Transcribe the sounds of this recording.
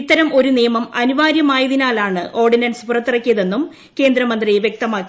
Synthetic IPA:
t̪ːɐɾɐmo̞ɾunijɐmɐmɐnuʋaːɾjɐmaːjɐðinaːlaːɳɨʔo̞ːrɖinɐnspurɐt̪ːirɐkːijɐðe̞nːum | ke̞ːnd̪ɾɐmɐnd̪rijeʋjek̚t̪ɐmaːkːi

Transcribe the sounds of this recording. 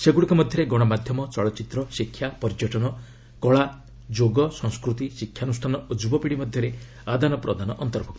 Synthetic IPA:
seɡuɽikɔmɔd̪ʱjɔɾeɡɔɽ̃ɔmad̪ʱjɔmɔt͡ʃɔɭɔt͡ʃit̪ɾɔsikʰjapɔɾd͡ʒɔʈɔnɔ | kɔɭa | d͡ʒoɡɔsɔ̃ŋskɾut̪isikʰːjanusʈʰanɔod͡ʒubɔpiɽimɔd̪ʱjɔɾe | ad̪ʱanɔpɾɔd̪anɔʔɔnt̪ɔɾbʱɔk̚t̪ɔ̥

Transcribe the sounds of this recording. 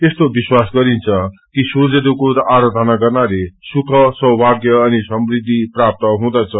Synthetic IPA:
t̪est̪obiswasɡʌɾint͡sʰʌkisud͡zed̪ukoɾʌʔaɾʌd̪ʱʌnaɡʌrnalesukʰʌsʌwbʱaɡjʌːnisʌmrid̪ʱːiprap̚t̪ʌɦũd̪ʌt͡sʰʌ

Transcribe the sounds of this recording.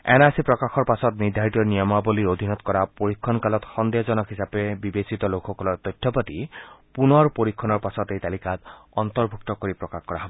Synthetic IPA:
ɛ̰nasipɹɔkaxɔɹpasɔt̪niɹd̪ʱaɹit̪iɔnijɔmaboliɹod̪ʱinɔt̪kɔɹapoɹikʰːɔnkalɔt̪xɔnd̪ezɔnɔkhisapebibesit̪ɔlokxɔkɔlɔɹt̪ɔjtʰːɔpat̪ipunɔɹpoɹikʰːɔnɔɹpasɔt̪ejt̪alikat̪ɔnt̪ɔɹbʱuk̚t̪ɔkoɹipɹɔkaxkɔɹaɦɔbɔ

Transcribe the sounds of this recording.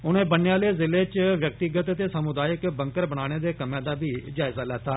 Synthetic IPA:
ʊnẽːbənjãːleːzɪleːt͡ʃʋjək̚t̪ɪɡət̪t̪eːsəmʊd̪aːjəkbəŋkəɾbəñaːɽ̃eːd̪eːkəmẽːd̪aːbiːd͡ʒaːɪzaːlɛːt̪aː

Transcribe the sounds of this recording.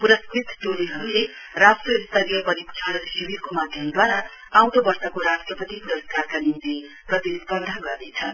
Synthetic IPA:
puɾʌskrit̪t̪oliɦʌɾule | rasʈrʌist̪ʌɾijʌpʌɾipt͡ʃʰʌɽʌsibiɾkomad̪ʱjʌmd̪waɾa | awt̪obʌrsʌkoɾasʈrʌpʌt̪ipuɾʌskarkanint̪i | prʌt̪ispʌd̪ʱaɡʌrd̪et͡sʰʌ

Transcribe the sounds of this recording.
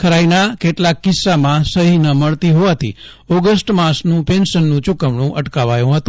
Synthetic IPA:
kʰəɾainakeʈlakːɪsːamãsəɦinəməɭt̪iɦoʋat̪ʰḭ | ɔɡəsʈmasnũpenʃənːũt͡ʃʊkəʋɳũʔəʈkaʋajũɦət̪ũ

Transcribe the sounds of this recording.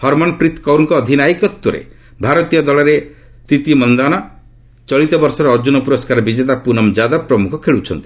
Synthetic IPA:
hɔɾmɔnɔpɾit̪kɔwɾŋkɔːd̪ʱinajkɔt̪ːwɔɾḛ | bʱaɾɔt̪ijɔd̪ɔlɔɾe | t̪it̪imɔnd̪anɔ | t͡ʃɔɭit̪ɔbɔɾsɔɾɔɾd͡ʒunɔpuɾɔskaɾɔbid͡ʒet̪̬apunɔmd͡ʒad̪ɔpɾɔmukʰɔkʰeɭut͡ʃʰɔnt̪i̥

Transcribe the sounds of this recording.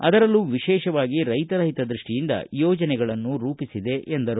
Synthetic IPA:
ɐd̪ɐɾɐlːuʋiʃɛːʃɐʋaːɡiɾɐjt̪ɐɾɐɦit̪ɐd̪ɾiʂʈijind̪ɐ̰jɔːd͡ʒɐnɛɡɐɭɐnːuɾuːpisid̪e̞ʔʔend̪ɐɾu

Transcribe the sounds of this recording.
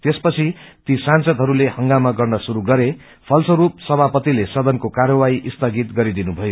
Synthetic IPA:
t̪espʌt͡sʰit̪isansʌd̪ʱɦʌɾulehʌŋɡamaɡʌrnʌsuɾuɡʌɾe | pʰʌlsʌɾup̚sʌbʱapʌt̪ilesʌd̪ʌnkokarjʌwaiʔist̪ʰʌɡit̪ɡʌɾid̪inubʱʌjo

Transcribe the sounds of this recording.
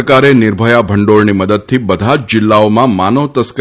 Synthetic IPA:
kaɾenɪɾbʱəjabʱəɳɖoɭniməd̪əd̪̚t̪ʰibəd̪ʱat͡ʃd͡ʒɪlːaomãmanot̪əsk

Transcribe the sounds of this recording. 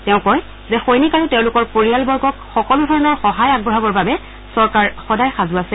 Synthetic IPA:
tɛʊ̃kɔj | zɛxojnikaɹutɛʊ̃lʊkɔɹpoɹijalbɔɹɡɔkxɔkɔlʊdʱɔɹɔnɔɹxɔɦajaɡ̚bɔɦabɔɹbabɛ | sɔɹkaɹxɔdajxazʊasɛ

